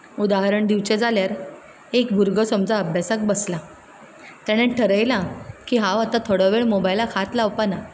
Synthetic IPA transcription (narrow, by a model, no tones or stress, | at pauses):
ud̪aɦaɾəɳd̪iʋt͡ɕɛd͡zaljaɾ | ekbʱuɾɡəsəmd͡zaəbʱjasak̚bəsla | t̪aɽ̃ẽʈʰəɾəjlakiːɦãʋat̪at̪ʰoɽaʋeɭmobajlakʰat̪laʋpana